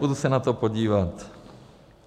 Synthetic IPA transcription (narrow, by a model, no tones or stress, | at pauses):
ud̪usɛnat̪ɔpɔɟiːʋat̪